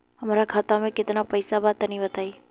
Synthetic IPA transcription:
əmaɾakʰat̪amẽkɪt̪napəjsabat̪əniʋət̪ʰai

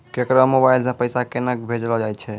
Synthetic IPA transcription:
kekɾəmobajlsəpəjsakenək̚bʱed͡ʒlɔd͡ʒajt͡ʃʰɛ

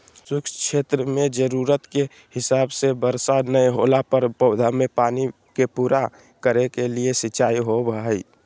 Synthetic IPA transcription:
sʊkt͡ʃʰeːt̪ɾəmẽd͡ʒəɾuɾət̪ke | hɪsaːbsebəɾsanəjɦolapəɾpəʊd̪ʱamepaːni | kepuːɾa | kəɾekeliesɪt͡ʃaːiɦobəɦəi

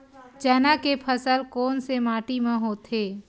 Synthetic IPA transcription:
d͡ʒɛːnakepʰəsəlkɔːnsemaːʈimẽɦoːt̪ʰeː

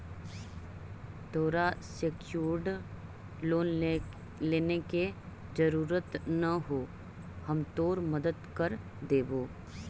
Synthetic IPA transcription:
t̪oːɾasekjuːɾɖ | oːn | leːneke | d͡ʒəɾuːɾət̪nəɦo | həmt̪oːɾməd̪əd̪kəɾ | d̪eːboː

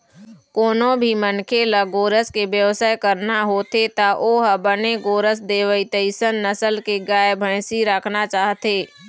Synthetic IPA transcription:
koːnõbʱimənkʰelaɡoːɾəskebjəʋsaːjkəɾnaɦoːt̪et̪aʔoɦəbəneɡoːɾəsd̪eːʋəit̪əɪsənːəsəlkeɡaːjbʱə̃ɪ̃siɾəkʰnat͡ʃaːɦt̪eː

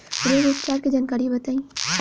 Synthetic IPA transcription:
ɾeɾuːpt͡ʃaːɾked͡ʒankaːɾibɐt̪aːĩː

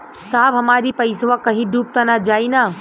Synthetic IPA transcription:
saːfɦɐmaːɾipɐɪsʋakɐɦĩɖuːp̚t̪anad͡ʒaːinaː

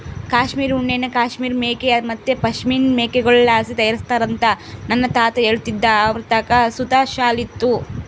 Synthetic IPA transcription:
kaːʃmiːɾuɳːenːɐkaːʃmiːɾmeːkejɐmɐt̪ːepɐʃmiːnmeːkeɡɐɭlaːsit̪ɐjɐɾist̪aːɾɐnt̪ɐ | nɐnːɐt̪aːt̪ɐeːɭt̪id̪ːɐːʋɾt̪akɐsut̪aːʃaːlit̪ːu

